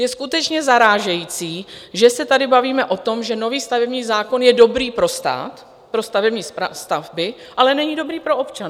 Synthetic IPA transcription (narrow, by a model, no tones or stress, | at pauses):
jɛskut̪ɛt͡ʃɲɛzaɾaːʒɛjiːt͡siːʒɛsɛt̪adɪbaviːmɛʔo̞t̪o̞mʒɛno̞viːst̪avɛbɲiːzaːko̞njɛdo̞bɾiːpɾo̞st̪a̰ːt̪ | pɾo̞st̪avɛbɲiːast̪avbɪ | ʔalɛnɛɲido̞bɾiːpɾo̞ʔopt͡ʃan